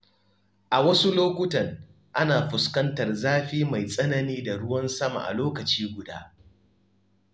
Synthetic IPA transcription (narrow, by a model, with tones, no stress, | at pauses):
ʔa˨wɐ˦su˦loː˦kʷʊ˦tɐ˨ŋ | ʔa˦naː˨ɸʊ˨skɐ˦ntɐ˨rzaː˦ɸiː˦ma˨jsʼɐ˦nɐ˦niː˦da˨ɽʊ˦wɐ˦nsɐ˦ma̰˨ʔa̰˨loː˦kɐ˨t͡ʃiː˦ɡʷʊ˨da̰ː˦